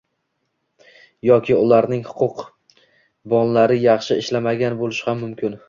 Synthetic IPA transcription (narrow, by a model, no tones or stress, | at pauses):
jɒkʲʰɪʊlˠaɾnɪŋhʊ̥qʰʊq | bɒnlaɾɪjɑχʃɪɪʃlamaɡʲanbolɪʃhamːʊmkʲɪn